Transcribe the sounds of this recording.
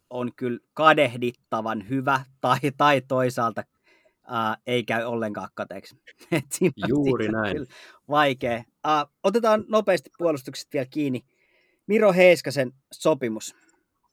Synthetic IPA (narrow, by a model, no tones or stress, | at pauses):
onkylkɑdehdit̪ːɑʋɑnhyʋæt̪ɑit̪ɑit̪oisɑːlt̪ɑ | əːeikæyolːeŋkɑ̰ːkkɑt̪ḛːˑkset̪siːnjouːrinæiyl | ʋɑikeː | əːot̪et̪ɑːnnopeːst̪i̥ppuolust̪ukse̥t̪ʋielkiːni | miroɦeiskɑsen | sopimus